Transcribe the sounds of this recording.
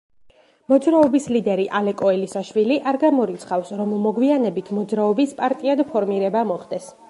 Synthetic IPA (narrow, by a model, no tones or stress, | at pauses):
mɔd̪zɾaɔbislid̪ɛɾiʔalɛkʼɔɛlisaʃwiliʔaɾɡamɔɾit̪sʰχafsɾɔmːɔɡwianɛbit̪ʰmɔd̪zɾaɔbispʼaɾt̪ʼiad̪pʰɔɾmiɾɛbamɔχd̪ɛs